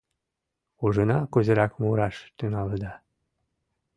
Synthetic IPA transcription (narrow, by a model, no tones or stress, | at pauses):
uʒɤ̆nɑkuzə̆ɾɑkmuɾɑʃt̪ynɑləd̪ɑ